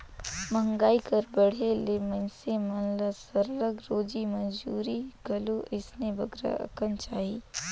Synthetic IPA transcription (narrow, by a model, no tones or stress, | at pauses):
mə̃ŋɡaːikɐɾbɐɽ̤elemɐ̃nsemɐnləsəɾɾəɡɾoːd͡ʒimɐd͡ʒuːɾiɡɐluʔɪsnebɐɡɾa̰ɐ̰kənt͡ʃaːɦiː